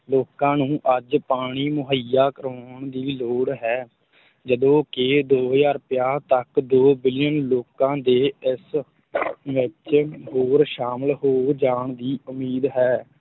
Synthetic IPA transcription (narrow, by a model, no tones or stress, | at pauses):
loːkãːnũːʔəd͡ʒpaːɽ̃iːmʊɦəjaːkəɾaːɳd̪iːloːɽɦɛː | d͡ʒəd̪õːkɪd̪oːɦd͡ʒaːɾpɪjaːt̪əkd̪oːbɪljənloːkãːd̪eːɪs | ʋɪt͡ʃɦoːɾʃaːməlɦoːd͡ʒaːɳd̪iːʊmiːd̪ɦɛː